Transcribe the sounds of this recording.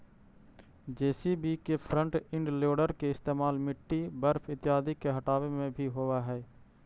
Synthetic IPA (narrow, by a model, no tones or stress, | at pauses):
d͡ʒeːsibikepʰɾə̃ɳʈɪ̃ɳɖloːɖəɾkeɪst̪eːmaːlmɪʈːibəɾfʰɪt̪ɪjaːd̪ikeɦɐʈaːʋemẽbʱiɦowaɦɛː